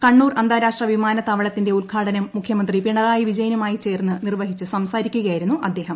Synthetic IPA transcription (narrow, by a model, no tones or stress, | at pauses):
kɐɳːuːrɐnd̪ʱaːɾaːʂʈrɐʋimaːnɐt̪ːɐʋɐɭɐt̪ːinde̞ulkʰaːɽɐnɐmːukʰjɐmɐnd̪ripiɳɐðaːjiʋid͡ʑɐjɐnumaːjit͡ɕe̞ːrnːɨnirʋɐɦit͡ɕːɨsɐmsaːɾikʲːuɣɐjiɾunːuʔɐd̪ːe̞ːɦɐm